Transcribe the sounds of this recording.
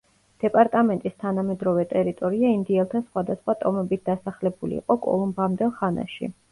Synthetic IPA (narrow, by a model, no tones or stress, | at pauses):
d̪̥ɛpʼaɾt̪ʼamɛnt̪ʼist̪ʰanamɛd̪ɾɔvɛt̪ʼɛɾit̪ʼɔɾiaind̪iɛlˠt̪ʰasχwad̪asχwat̪ʼɔmɛbit̪̚ʰd̪̥asaχlɛbulḭːqʼɔkʼɔ̰lˠɔmbamd̪ɛlˠχana̰ʃḭ